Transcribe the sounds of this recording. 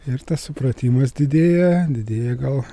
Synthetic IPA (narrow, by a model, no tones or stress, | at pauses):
ɪɾt̪ɐssʊpɾɐt̪ʲiːmɐsd̪ʲɪd̪ʲeːjɛd̪ʲɪd̪ʲeːjɛɡɐlˠ